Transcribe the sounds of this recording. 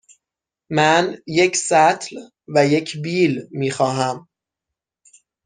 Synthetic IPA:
mænje̞cʰsæt̪ʰl | væje̞cʰbiːlmiːxɒːɦæm

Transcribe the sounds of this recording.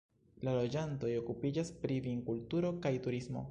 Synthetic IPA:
lalo̞d͡ʒanto̞jo̞kupid͡ʒaspɾiviŋkultuɾo̞kajtuɾismo̞̰

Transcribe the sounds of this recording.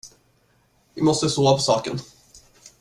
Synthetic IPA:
vɪmɔst̪əsoːvapɔsɑːkə̰n

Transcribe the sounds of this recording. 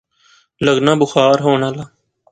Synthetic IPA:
ləɡnaːbʊxaːɾɦoːnaːlaː

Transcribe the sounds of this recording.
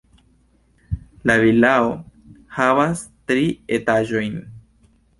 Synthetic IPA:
lavilaohaβast̪ɾiet̪aʒojn

